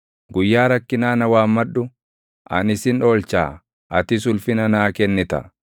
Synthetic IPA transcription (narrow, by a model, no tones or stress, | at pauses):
ɡʊjːaːɾɐkːɪnaːnɐwaːmːɐᶑːʊ | ʔɐnɪsɪno̞ːlt͡ʃa̰ː | ʔɐt̪ɪs̬ʊlfɪnɐnaːkɛnːɪt̪ɐ̰